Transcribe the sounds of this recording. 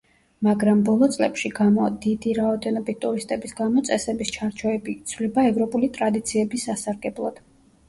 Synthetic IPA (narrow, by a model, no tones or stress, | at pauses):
maɡɾambɔlˠɔt̪sʼlɛpʃiɡamɔd̪id̪iɾaɔd̪ɛnɔbit̪̚t̪ʼuɾist̪ʼɛbisɡamɔt̪sʼɛsɛbist͡ʃʰaɾt͡ʃʰɔɛbit̪sʰvlɛbaɛvɾɔpʼulit̪ʼɾad̪it̪sʰiɛbisasaɾɡɛblˠɔd̪̥